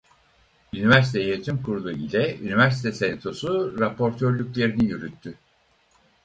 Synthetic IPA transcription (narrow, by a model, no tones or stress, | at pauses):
ynivæɾsi̥t̪ʰejet̪ʰymkʰuɾulˠuḭlʲɛy̰nivæɾs̬i̥t̪ʰɛsenet̪ʰo̞suɾapʰo̞ɾt̪ʰøɾlʲycʲlʲe̞ɾinijyɾyt̪ʰːy